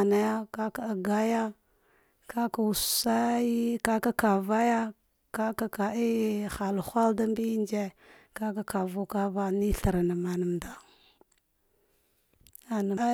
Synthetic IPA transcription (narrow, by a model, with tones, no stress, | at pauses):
na˦ja˦ka˦ka˨a˨ɡa˦ja˦ | kʰa˦ka˨u˨sa˦i˦ka˦ka˦ka˨va˦ja˦ | ka˦ka˦ka˨i˦xa˨lxʷa˦lda˦mbi˦nd͡ʒe˦ | ka˦ka˦ka˨vu˦ka˦va˦ni˦ɬa˨ɾa˨na˨ma˨na˨mda˨ | a˨na˨˦